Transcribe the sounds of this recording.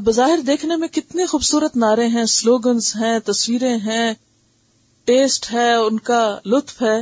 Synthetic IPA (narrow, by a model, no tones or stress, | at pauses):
bɐzaːɦɪɾd̪eːkʰnemẽkɪt̪nexuːbsuːɾət̪naːɾẽɦɛ̃ːsloːɡənzɦɛ̃ːt̪ɐswiːɾẽɦɛ̃ː | ʈeːsʈɦɛːʊnkalʊt̪fɦɛː